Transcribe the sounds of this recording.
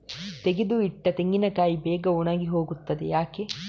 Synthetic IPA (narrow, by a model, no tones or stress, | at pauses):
t̪eɡed̪uiʈːɐt̪eŋɡinɐkaːjibɛːɡɐonaːɡiɦo̞ːɡut̪ːɐd̪ḛjaːkeː